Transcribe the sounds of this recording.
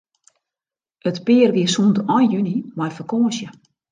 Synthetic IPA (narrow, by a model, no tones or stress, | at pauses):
ətpɪərʋiəsuntɔjjynimajfəkoːəsjə